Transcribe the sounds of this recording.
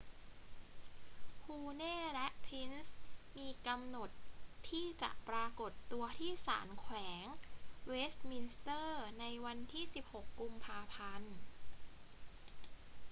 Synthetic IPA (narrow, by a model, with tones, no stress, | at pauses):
pʰuː˧neː˥˩ɾɛ˦˥ʔ̚t̪ʰi˦˥nsmiː˧ka˧mno˨˩t̪ʰːiː˥˩t͡ɕa̰˨˩ʔpɾaː˧ko˨˩t̪ːu˧ɐt̪ʰiː˥˩sa̰ː˩˦nkʰwɛː˩˦ŋweː˦˥st̪̚mi˧nst̪ɤː˥˩na˧jwa˧nt̪ʰiː˥˩si˨˩p̚ho˨˩kːu˧mpʰaː˧pʰa˧n